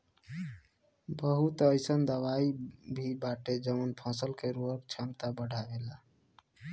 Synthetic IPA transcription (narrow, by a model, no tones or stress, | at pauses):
bəɦut̪əjsənd̪əwaibʱibaʈed͡ʒəmənpʰɔ̃səlkeɾuɦəkt͡ʃʰamt̪abəɽʱaela